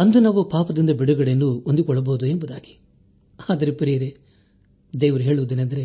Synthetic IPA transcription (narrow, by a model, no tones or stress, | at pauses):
ɐnd̪unaːʋupaːpɐd̪ind̪ɐbiɽuɡɐɽenːuond̪iukɔɭːɐboːd̪uembud̪aːɡi̥ | aːd̪ɐɾepɐɾijɐɾe | d̪eːʋɐɾuɦeːɭuʋud̪inɐnd̪ɐɾe